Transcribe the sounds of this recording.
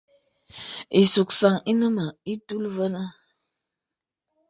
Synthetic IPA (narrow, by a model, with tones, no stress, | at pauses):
i˨su˨ksa˨ŋi˦nə˦mə˨i˦tu˦lvə˦nə˦